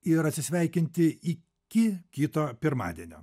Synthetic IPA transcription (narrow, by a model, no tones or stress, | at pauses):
ɪɾɐt̪ʲsʲɪsʲʋʲɛˑɪkʲɪnʲt̪ʲɪɪ | kʲɪkʲiːt̪oːpʲɪɾmɑ̰ːd̪ʲiɛnʲo̰ː